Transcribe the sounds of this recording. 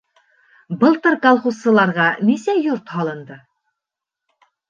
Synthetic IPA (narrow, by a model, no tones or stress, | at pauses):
bɤ̆lˠt̪ɤɾkɑlˠχusːɤ̆lˠɑɾʁɑnisæjuɾt̪hɑlˠɤ̆nd̪ɤ